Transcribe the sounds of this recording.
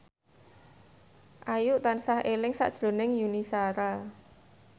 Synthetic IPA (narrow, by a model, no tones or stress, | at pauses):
ʔajʊʔt̪ansahelɪŋsa̰ʔd̥ʒ̥lo̤nɪŋjunisaɾa